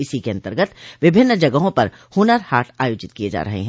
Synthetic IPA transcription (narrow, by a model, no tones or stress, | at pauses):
ɪsikeɐ̃nt̪əɾɡət̪ʋɪbʱɪnːd͡ʒɐɡəɦõpɐɾ | huːnəɾhaːʈʰaːjoːd͡ʒɪt̪̚kijed͡ʒa̰ːɾɐɦḛɦɛ̃ː